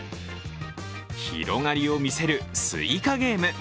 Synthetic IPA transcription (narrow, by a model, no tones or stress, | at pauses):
çḭɾo̞ŋaɾʲio̞mʲise̞ɾɯ̟sɨ̰ikaɡe̞ːmɯ